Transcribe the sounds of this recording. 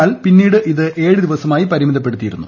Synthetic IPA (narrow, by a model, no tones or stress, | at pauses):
aːlpinːiːɽɨʔiðɨʔe̞ːɻɨd̪iʋɐsɐmaːjipɐɾimiðɐpːe̞ɽut̪ːijiɾunːu